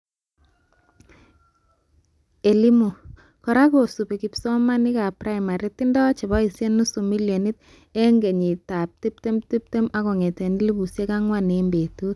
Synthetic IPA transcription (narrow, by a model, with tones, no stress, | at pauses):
e˨li˦mu˨ | kɔ˨ɾa˦ko˨su˨pe˨ki˨psɔ˦ma˦ni˦ka˨pɾa˦jma˨ɾi˦ti˦ndɔ˦t͡ʃe˨bɔ˦i˨sje˦nu˦su˨mi˦ljo˨ni˦t̚ | e˦ŋɡe˨ɲi˨ta˨p̚ti˦p̚te˦mti˦p̚te˦mʔa˦ko˨ŋe˨te˨ni˦li˦bu˨sje˦ka˦ŋwa˦ne˨mbe˨tu˦t̚